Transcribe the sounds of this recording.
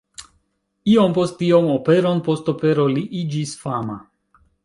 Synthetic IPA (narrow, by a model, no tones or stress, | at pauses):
io̞mpo̞stio̞mo̞pe̞ɾo̞npo̞sto̞pe̞ɾo̞liʔid͡ʒisfama̰